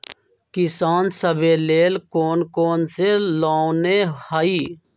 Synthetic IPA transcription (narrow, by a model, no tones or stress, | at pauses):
kisaːnsəbʱeːleːlkoːnkoːnselaːwnehaːiː